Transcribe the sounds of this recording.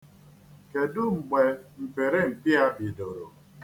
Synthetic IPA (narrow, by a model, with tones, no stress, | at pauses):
ke˨dʊ˦ŋ͡m̩˨ɡ͡be˨m̩˨pe˨ɾe˦ŋ͡m̩˨k͡pi˦a˦bi˨do˨ɾo̰˨